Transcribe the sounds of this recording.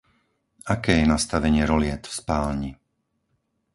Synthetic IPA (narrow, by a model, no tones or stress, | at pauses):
akɛːjɛnast̪aʋɛɲɪɛɾɔlɪɛt̪fspaːlɲi